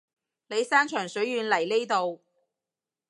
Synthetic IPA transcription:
le˨˧jsaː˥nt͡ʃʰœː˨˩ŋsɵ˨˥ɥjyː˨˧nlɐ˨˩jle˥jt̪o˨w

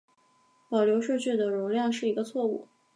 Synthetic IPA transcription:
pɑ˨˩ʊljo˧˥ʊʂɤ˥˧t͡ɕʰy˥˩d̪ə˩ɻʊ˧˥ŋljɑ˥˧ŋʂɻ̩˥˩i˧˥ɡə˧t͡sʰwɔ˥˧ṵ˥˩

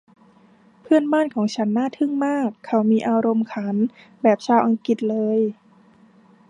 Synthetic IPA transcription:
pʰɯ˥˩ənbaː˥˩nkʰɔː˩˦ŋt͡ɕʰa˦˥nːaː˥˩t̪ʰɯ˥˩ŋmaː˥˩kʰːa˧˩wmiː˧ʔaː˧ɾo˧mkʰa˩˦n | bɛː˨˩p̚t͡ɕʰaː˧wʔa˧ŋki˨˩t̪̚lɤː˧j

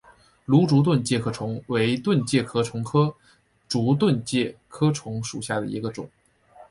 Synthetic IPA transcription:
lu˧˥ʈ͡ʂu˧˥t̪̬wə˥˧nt͡ɕjɛ˥˩kʰɤ˥ʈ͡ʂʰʊ˧˥ŋwe˧˥ɪt̪wə˥˧nt͡ɕjɛ˥˩kʰɤ˥ʈ͡ʂʰʊ˧˥ŋkʰɤ˥ | ʈ͡ʂu˧˥t̪̬wə˥˧nt͡ɕjɛ˥˩kʰɤ˥ʈ͡ʂʰʊ˧˥ŋʂu˨˩ɕja˥˩d̪ə̰˩ḭ˧˥ɡə˧ʈ͡ʂʊ̰˨˩˦ŋ

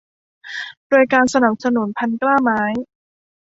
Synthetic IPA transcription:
doː˧jkaː˧nsa˧na˨˩p̚sa˧nu˩˦npʰa˧nklaː˥˩maː˦˥j

